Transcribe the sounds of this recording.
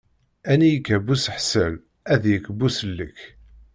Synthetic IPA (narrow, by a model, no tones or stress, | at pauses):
ænijəkːæbusəħsəl | æðjəkːbusəlːə̰k